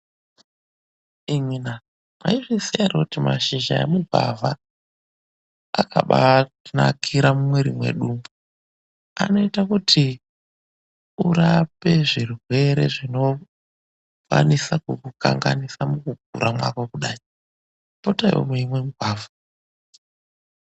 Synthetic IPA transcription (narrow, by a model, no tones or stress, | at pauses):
iŋina | ma̰iʐisijarokutimaʃiʒaḛmuɡʱa̰va | akʰaɓa | nakʰiɾamumweɾimwe̞̰ɗumu | ano̞itakutʰi | uɾape̞ʐirwe̞ɾe̞ʐino̞ | kwa̰nisakukuka̰ŋɡanisamukuɡ̚ʱṵɾamwa̰kokuɗaːji | potajwo̰mweimwe̞muɡʱwaːvʱa